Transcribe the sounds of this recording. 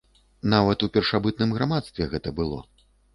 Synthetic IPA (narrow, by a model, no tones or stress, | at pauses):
navɐt̪upʲɛrʂabɨt̪nɨmɣɾamat̪st̪vʲɛɣɛt̪ɐbɨlˠɔ̰